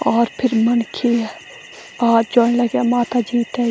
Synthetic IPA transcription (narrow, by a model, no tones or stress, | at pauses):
ɔːɾpʰɪɾmənkʰiɛ | aːd͡ʒoːnləɡamaːt̪ad͡ʒiːt̪ɛ